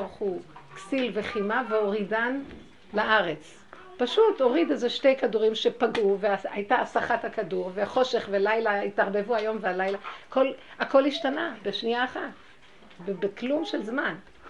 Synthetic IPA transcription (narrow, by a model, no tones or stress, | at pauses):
ʁχuksilveχimaveo̞ʁidan | laʔaʁet͡s | paʃuto̞ʁidezeʃtejkaduʁimʃe̞paɡuveaajtaːsaχathakaduʁveaχo̞ʃe̞χvelajlaitaʁbe̞vuajo̞mvealajlako̞lako̞lhiʃtanabeʃniaːχat | bebeklumʃelzman